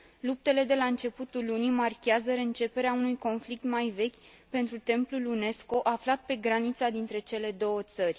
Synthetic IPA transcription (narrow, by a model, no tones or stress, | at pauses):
lup̚t̪e̞le̞d̪e̞laɨnt͡ʃe̞put̪ulunimarkʲeazəɾeɨnt͡ʃe̞pe̞ɾeaunujko̞nflik̚t̪majve̞kʲ | pe̞nt̪ɾut̪e̞mplulune̞sko̞ʔaflat̪̚pe̞ɡɾanit̪sad̪int̪ɾe̞t͡ʃe̞le̞d̪o̞wət̪sərʲ